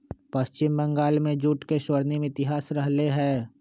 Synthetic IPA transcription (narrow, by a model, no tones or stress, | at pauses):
pɐst͡ʃɪmbɐ̃ŋɡaːlmẽd͡ʒuːʈkeʃwəɾnimɪt̪ɪɦaːsɾɐɦleɦɛː